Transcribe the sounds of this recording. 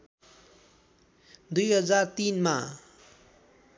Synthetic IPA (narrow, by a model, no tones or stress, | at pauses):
d̪ujɦʌd͡zart̪inma